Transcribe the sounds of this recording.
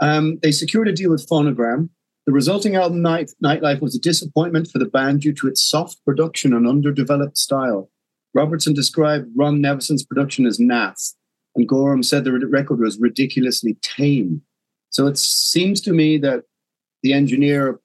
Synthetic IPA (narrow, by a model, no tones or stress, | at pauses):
ʌðeɪsɨkʰj̥ʊɹɾɨdilˠwəð̥foʊñəɡɹæ̃m | ðəɹɨzʌlˠtɪ̃ŋalˠbəmnaɪtnaɪʔlaɪfwʌzədɪsəpʰɔ̃ɪ̃nmə̃ntfə˞ðəbæ̃nd͡ʒʉɾəɨtsɔf̚pʰɹ̥ɨdʌkʃə̃nə̃nʌ̃ndə˞dɨvɛlˠəp̚tstaɪlˠ | ɹɑbə˞tsə̃ndɨskɹaɪb̚d̚ɹʌ̃nnɛvəsə̃nspʰɹ̥ədʌkʃə̃nəznæθ | ə̃nɡɔɹə̃msɛd̪̚ðəɹɛkə˞d̚wʌzɹɨdɪkʰjl̩ˠəslitʰẽɪ̃n | soʊɨtĩmz̥tʰəmiðɨt̪̚ | ðiɛ̃nd͡ʒɨnɪɹ